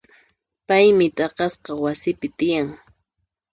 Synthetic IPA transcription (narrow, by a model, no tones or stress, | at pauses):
pajmɪt̪ʼɑqɑsqɑwasɪpɪt̪ɪjaŋ